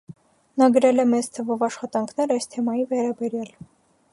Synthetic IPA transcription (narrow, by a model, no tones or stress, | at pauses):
nɑɡəɾɛlɛmɛzt̪ʰəvɔvɑʃχɑt̪ɑŋkʰnɛɾɑjst̪ʰɛmɑjivɛɾɑbɛɾjɑl